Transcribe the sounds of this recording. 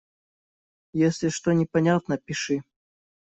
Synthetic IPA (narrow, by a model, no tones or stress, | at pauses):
jesʲlʲɪʂt̪onʲɪpɐnʲat̪nəpʲɪʂɨ